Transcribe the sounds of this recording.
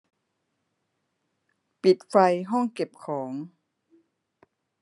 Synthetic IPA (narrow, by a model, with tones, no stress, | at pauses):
pi˨˩t̪̚fa˧jɦɔ˥˩ŋke˨˩p̚kʰɔː˩˦ŋ